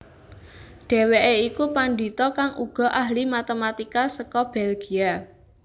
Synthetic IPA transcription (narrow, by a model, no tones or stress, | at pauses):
ɖ̥e̤weʔeikupandi̤t̪ɔkaŋʔuɡ̥ɔ̤ʔaɦlimat̪emat̪ikasəkɔb̥elɡ̥i̤a